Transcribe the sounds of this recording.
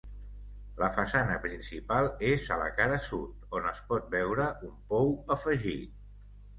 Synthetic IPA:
ləfəsanəpɾinsipalˠezələ̰kaɾəsut̪̚onəspɔt̪̚bɛwɾəʔumpɔwəfəʒit̪̚

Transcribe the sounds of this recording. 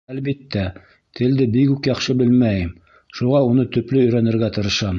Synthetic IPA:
ælbit̪ːæ | t̪ʰɘ̆ld̪ɘbikʉkjɑχʃɤbɘlmæjɘm | ʃuʁɑunɤt̪ɵ̆plɵɵ̆jɾænɘ̆ɾɡæt̪ɤ̆ɾɤ̆ʃɑm

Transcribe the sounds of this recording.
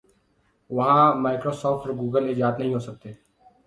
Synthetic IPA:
ʋɐɦãmaːɪkɾoːsɔːfʈɔɾɡuːɡəled͡ʒaːt̪nɐɦĩɦoːsɐk̚t̪eː

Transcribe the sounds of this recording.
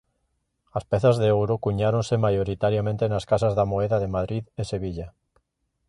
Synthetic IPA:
aspeθazðeowɾokuɲaɾonsemajoɾit̪aɾjamẽnt̪enaskasazðamoeðaðemaðɾiðese̞β̞iʎa

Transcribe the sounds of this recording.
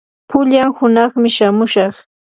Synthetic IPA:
pʊʎamhʊnɑχmɪʃamʊʃɑχ

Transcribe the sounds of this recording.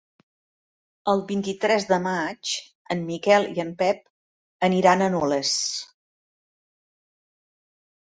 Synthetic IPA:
əlˠβint̪it̪ɾɛzðəmat͡ʃ | əmmikɛlˠḭəmpɛp̚ | əniɾanənɔləs

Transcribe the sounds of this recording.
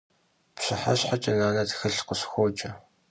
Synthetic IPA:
pɕɪħaɕħat͡ʃʼɐnaːnɐtxɨɬqəɕxʷoːt͡ʃʼɐ

